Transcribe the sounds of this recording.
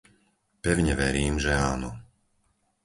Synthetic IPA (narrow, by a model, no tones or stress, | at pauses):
pɛʊɲɛʋɛɾiːmʒɛaːnɔ